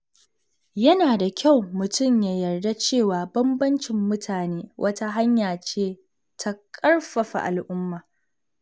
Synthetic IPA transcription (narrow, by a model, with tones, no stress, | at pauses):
jɐ˦naː˨da˨kʲʰa˦˨wmʊ˨tʊ˦˨mjaː˨jɐ˨rda˦t͡ʃeː˦˨waː˨bɐ˦mbɐ˦nt͡ʃɪ˨mːʊ˦tʰaː˨neː˦wʔɐ˦ta˦ɦa˦ɲjaː˨t͡ʃeː˦ | tʰa˦kʼɐ˦rɸɐ˨ɸa̰˨ʔa̰˨lʔʊ˦mːaː˨